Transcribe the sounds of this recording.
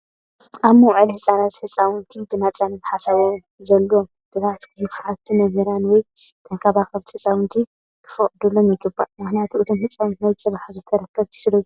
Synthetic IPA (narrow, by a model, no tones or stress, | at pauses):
ʔamːoʕɨlihɨsʼanat̪hɨt͡sʼːawɨnt̪ʰibɨnat͡sʼanɨt̪ħasɐβom | zɐlːom | b̥ɨzat̪kʰɨjɨkʰʕat̪ʰːumɐmiɾanwɔjt̪ʰɐŋkʰaβaxɐbt̪hɨt͡sʼawɨnt̪ʰi | kʰɨ̥fɐχʼd̪ulːomjɪɡɨbːaʔmɨxnjat̪ʰuʔɨt̪ʰomhɨt͡sʼːawnt̪najt͡sʼɐβaħazɨk̪ʰɐɾɐkʰːɐβt̪ʰɨ̥sɨlɐju